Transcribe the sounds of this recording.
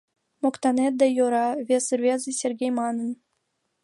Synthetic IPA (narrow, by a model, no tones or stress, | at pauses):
mokt̪ɑnet̪̚d̪æjoɾɑvʲesrvʲezɨsʲerʲɡʲejmɑnɤ̆n